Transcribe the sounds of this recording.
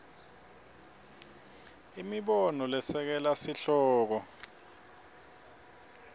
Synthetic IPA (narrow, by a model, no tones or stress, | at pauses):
imiɓɔnɔlɛsɛk̬ɛlasiɬɔːk̬ɔ